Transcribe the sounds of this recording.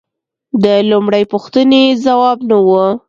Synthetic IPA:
d̪əlumɽajpuxt̪ənezawɑbnawə

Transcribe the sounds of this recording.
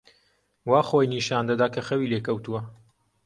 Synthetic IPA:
waːxoːjniːʃaːnd̪ɐd̪aːkʰɐxɐwiːleːkɐwt̪uwɐ

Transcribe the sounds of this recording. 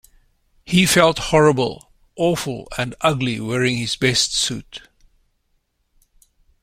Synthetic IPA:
hifɛlˠthɔɹəbəlˠ | ʔɔfəl̩ˠə̃ndʌɡliwɛɹɪ̃ŋhɪzbɛstsṵt

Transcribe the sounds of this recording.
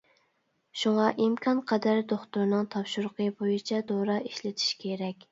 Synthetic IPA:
ʃuŋɑʔimkʰɑnqʰɛd̪æɾd̪oχt̪uɾnɨŋt̪ʰɑpʃuɾʊqʰəbojit͡ʃʰɛd̪oɾɑʔiʃlɪt̪ʰi̥ʃkʲʰeɾɛkʲ

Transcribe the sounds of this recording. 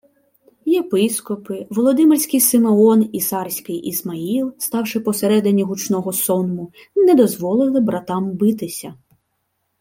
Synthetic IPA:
jepɪskɔpɪʋɔlˠɔd̪ɪmelʲsʲkɪjsɪmeɔnisɑrsʲkɪjʔizmɐilˠst̪ɑwʂɪpɔseɾɛd̪ɪnʲːiɦut͡ʃnɔɦɔsɔnmʊ | nɛd̪ɔzʋɔlˠɪlˠɪbɾɐt̪ɑmbɪt̪ɪsʲɐ

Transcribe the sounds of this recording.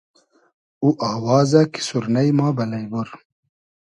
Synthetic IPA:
uʔaːwɑːzɐki̥suɾnɐjmaːbɐlɐjbuɾ

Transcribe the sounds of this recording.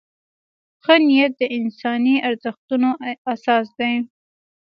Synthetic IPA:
xənijat̪̚d̪əʔɪnsɑniaɾzəxt̪unoasɑs̬d̪aj

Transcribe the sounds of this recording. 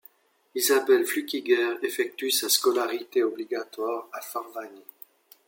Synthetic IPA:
izabɛlflykʲiɡɛʁefɛk̚t̪ysaskɔlaʁit̪eɔbliɡat̪waʁafaʁvani

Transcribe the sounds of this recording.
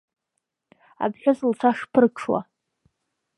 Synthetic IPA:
a̰bħʲᶣazɨlt͡sʰaʂpʰɨrkʰʂʰwa̰

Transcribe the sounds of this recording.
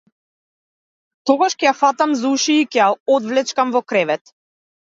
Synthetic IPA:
t̪ɔɡaʃkɛjafat̪amzuʃiːkɛjaɔd̪vlɛt͡ʃkamvɔkɾɛvɛt̪

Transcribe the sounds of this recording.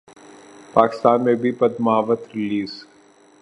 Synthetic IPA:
paːkɪ̥st̪aːnmẽbʱipɐd̪maɦaʋət̪ɾɪliːz

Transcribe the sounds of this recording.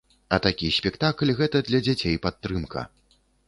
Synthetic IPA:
ɐt̪akʲisʲpʲɛkt̪aklʲɣɛt̪ɐd̪lʲɐd͡zʲat͡sʲejpat̪ːɾɨmkʰɐ̰

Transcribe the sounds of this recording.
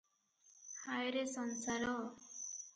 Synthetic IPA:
hajɾesʌnsaɾʌ

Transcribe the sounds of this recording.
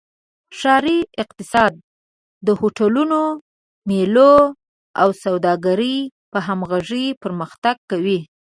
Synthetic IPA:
ʃɑɾiɪq̚t̪ɪsɑd̪̚ː | əhoʈaluno | melo | awsawd̪ɑɡaɾəjpəɦamɣaʐəjpəɾməxt̪aɡ̚kawi

